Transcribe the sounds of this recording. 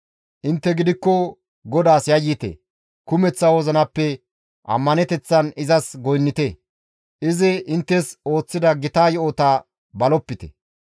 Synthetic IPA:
ʔɪnt̪ːɛɡɪd̪ɪkːɔ | ɡɔd̪aːsjɐjːɪt̪ḛ | kʊmɛt͡sːɐwɔzɐnɐpːɛ | ʔɐ̰mːɐnɛt̪ɛt͡sːɐnɪzɐsɡɔjnːɪt̪e | ʔɪzɪʔɪnt̪ːɛso̞ːt͡sːɪd̪ɐɡɪt̪aːjɛot̪ɐ | bɐlɔpːɪt̪ɛ̰

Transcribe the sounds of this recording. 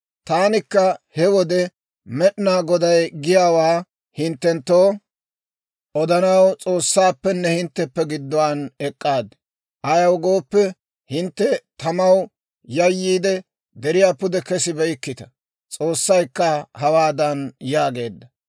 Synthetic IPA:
t̪aːnɪkːɐhɛwɔd̪ɛ | mɛɗɪnaːɡɔd̪ɐjɡɪjaːwaː | hɪnt̪ːɛnt̪ːoː | ʔɔd̪ɐnɐwt͡sʼo̞ːsːaːpːɛnːɛhɪnt̪ːɛpːɛɡɪd̪ːɔwanɛkʼːaːd̪ɛ | ʔɐjɐwɡo̞ːpːɛ | hɪnt̪ːɛt̪ɐmɐw | jɐjːiːd̪ɛ | d̪ɛɾɪjaːpʊd̪ɛkɛsɪbɛɪkːɪt̪ɐ̥ | t͡sʼo̞ːsːɐjkːɐhɐwaːd̪ɐnjaːɡe̞ːd̪ːɐ

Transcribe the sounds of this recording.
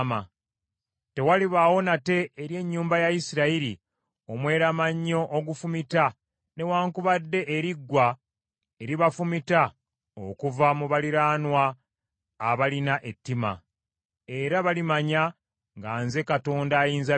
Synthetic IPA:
ma | te̞waliβawo̞nate̞ːɾje̞ɲːuːmbajaisiɾaiɾi | o̞mwe̞ːɾamaɲːo̞ʔoɡufumita | ne̞waːŋkuβadːe̞ʔeɾiɡwa | eɾiβafumita | o̰kuvamuβaliɾaːnwaː | βalinaʔe̞tːima̰ | e̞ɾaβalimaɲa | ŋɡaːnze̞kato̞ːndaːjiːnza

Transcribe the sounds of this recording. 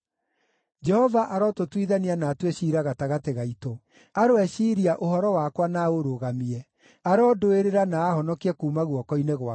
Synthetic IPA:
d͡ʒɛhɔvaʔaɾɔtotwiðanianaːtweɕiːɾaɣataɣateɣaito | aɾoɛʃiːɾiaʔohɔɾɔwaːkwanaoɾoɣamiɛ | aɾɔːdoeɾeɾanaːhɔnɔkiɛkuːmaɣwɔkɔineɣwa

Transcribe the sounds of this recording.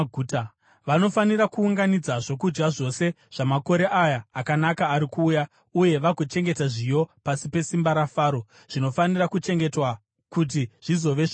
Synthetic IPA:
ɡʱut | ʋano̞faniɾakuːŋɡanid͡zaʐo̞k̬ud͡ʒɡaʐo̞se̞ | ʐ̥amako̞ɾe̞ʔajaːkanakaːɾikuːja | uje̞ʋakot͡ʃe̞ŋɡe̞taʐijo̞pasipe̞simbaɾafaːɾo̞ | ʐ̥ino̞fanirakut͡ʃe̞ŋɡe̞twa | kut̬iʐ̥izo̞ʋe

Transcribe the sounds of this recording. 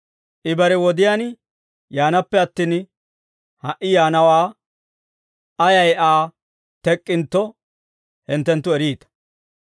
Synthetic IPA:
ʔɪbɐɾɛwɔd̪ɪjan | jaːnɐpːɛɐt̪ːiːn | hɐʔɪjaːnɐwaː | ʔɐjɐjʔaː | t̪ɛkʼːɪnt̪ːɔ | hɪnt̪ːɛnt̪ːʊɛɾiːt̪ɐ̥

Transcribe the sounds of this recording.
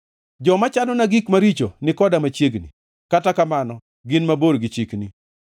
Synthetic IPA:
d͡ʒɔmat͡ʃanɔnaɡikmaɾit͡ʃonɪkɔdamat͡ʃjeɡnḭ | katakamanɔ | ɡɪnmaboɾɡɪt͡ʃikni

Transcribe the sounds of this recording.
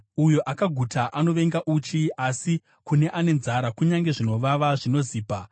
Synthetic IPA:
ujo̞ʔakaɡʱutʰaʔano̞ʋe̞ŋɡaʔut͡ʃiasi | kune̞ʔane̞nzaɾakuɲaŋɡe̞ʐino̞ʋaʋaʐino̞ziːpa

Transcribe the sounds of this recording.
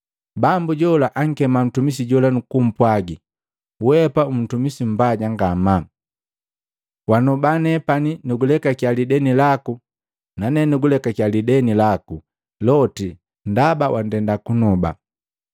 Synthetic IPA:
bambuɟɔlaʔaŋ̩kɛmam̩tumis̬iɟɔlanukum̩pwaɡi | wɛpaum̩tumisim̩baɟaŋɡama | wanɔbanɛpaninuɡulɛkakalidɛnilaku | nanɛnuɡulɛkakjalidɛnilaku | lɔti | ndabawʔan̩dɛndakunɔba̰

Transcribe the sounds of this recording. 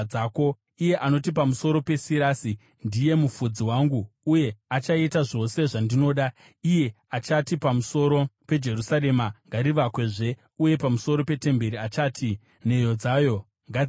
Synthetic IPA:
aːko̞ | ije̞ʔano̞tipamuso̞ɾo̞pe̞siɾasi | ndije̞mufud͡ziwaŋɡuːje̞at͡ʃaitaʐo̞se̞ʐandino̞ːɗa | ije̞ | at͡ʃatipamuso̞ɾo̞pe̞d͡ʒe̞rusaɾe̞maŋɡaɾiʋakwe̞ʐe̞ | uje̞pamuso̞ɾo̞pe̞te̞mbe̞ɾiat͡ʃaːtʰi | ne̞jo̞d͡zaːjo̞ | ŋɡa

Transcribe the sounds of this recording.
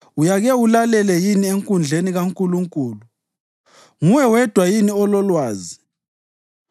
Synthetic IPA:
ujaɣɛulalɛlɛjinieŋkʼund͡ɮʱeniɣaŋkʼuluŋkʼuːlu | ŋuwɛwɛd̥ʱwajiniɔlɔlwaːzi

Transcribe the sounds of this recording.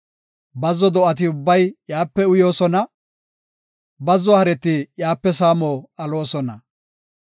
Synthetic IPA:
bɐzɔd̪ɔɐt̪̬ɪʊbːɐjjaːpːɛʊjo̞ːsɔnɐ | bɐzːɔhɐɾɛt̪ːɪjaːpːɛsaːmoːɐloːsɔnɐ

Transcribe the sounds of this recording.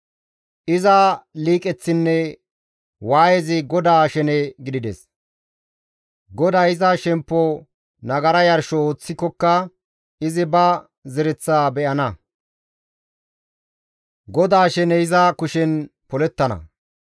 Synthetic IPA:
ʔɪzɐliːkʼɛt͡sːɪnːɛ | waːjɛzɪɡɔd̪aːʃɛnɛɡɪd̪ɪd̪ɛs | ɡɔd̪ajɪzɐʃɛmpːɔ | nɐɡɐɾɐjɐɾʃɔoːt͡sːɪkːɔkːɐ | ɪzɪbɐ | zɛɾɛt͡sːaːbɛʔɐnɐ | ɡɔd̪aːʃɛnɛɪzɐkʊʃɛnpɔlɛt̪ːɐnɐ̰

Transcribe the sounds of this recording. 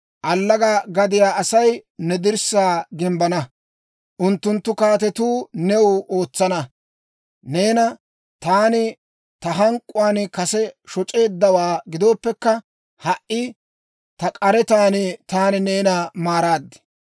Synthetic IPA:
ʔɐlːɐɡɐɡɐd̪ɪjaːʔɐsɐjnɛd̪ɪɾsaːɡɪmbɐnɐ | ʔʊnt̪ːʊnt̪ːʊkaːt̪ɛt̪uːnɛʊʔo̞ːt͡sːɐnɐ | ne̞ːnɐ | t̪aːnɪ | t̪ɐɦɐŋkʼːʊwaːnkɐsɛʃɔt͡ʃʼe̞ːd̪ːɐwaːɡɪd̪o̞ːpːɛkːɐ | hɐʔʔːɪ | t̪ɐkʼɐɾɛt̪aːnɪt̪aːnɪne̞ːnɐmaːɾaːd̪ːɛ̥

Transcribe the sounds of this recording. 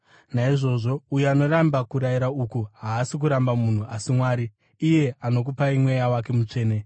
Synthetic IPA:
naiʐo̞ʐo̞ujuano̞rambakuɾajiɾaukuɦaːsik̬uɾambamun̤uasimwaːɾiː | je̞ano̞k̬upaimwe̞jawake̞mut͡ʂe̞ːne

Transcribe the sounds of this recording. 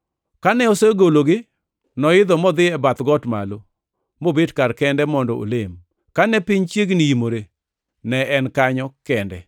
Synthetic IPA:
kanɛoseɡoloɡɪ | nɔɪd̪ɔmɔd̪ɪɛbat̪ɡɔtma̰lo | mobedkarkɛndɛmɔndɔo̰lem | kanɛpɪɲt͡ʃjeɡniimoɾe | nɛɛnkaɲɔkɛndɛ̰

